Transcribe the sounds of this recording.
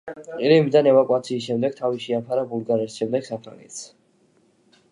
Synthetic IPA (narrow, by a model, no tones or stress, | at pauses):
qʼilimid̪anɛvakʼwat̪sʰiːs̬ʃɛmd̪ɛɡ̥̚t̪ʰaviʃiapʰaɾabulˠɡaɾɛsʃɛmd̪ɛɡ̥sapʰɾa̰ŋɛ̰t̪s